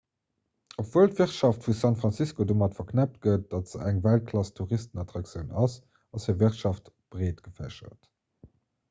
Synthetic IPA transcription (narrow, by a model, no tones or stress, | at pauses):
opvoəltviʁtʃɑftfusɑntfʁɑnsiskodomɑtfɐkʰnæp̚t̚ɡət̚d̥ɑtz̥əæŋvælt̚kʰlɑstʰuʁistənɑtʁɑkt͡sjəʊnɑs | ɑsheːviʁtʃɑft | b̥ʁeːtɡ̥əfæ̰ʃɐ̰t